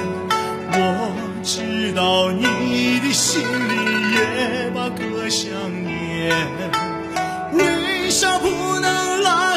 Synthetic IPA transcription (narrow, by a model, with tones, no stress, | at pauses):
wɔ˨˩ | ʈ͡ʂɻ̩˥˧˩t̪ɑ˧ʊni˧d̪i˧˩ɕi˧˥ŋli˧˩jɛ˧˦ba˧kɤ˧ɕjɑ˥˧˩ŋ | j | ɛ˨˧˩ | we˧ɕa˥˧pu˧˥nə˧ŋla˧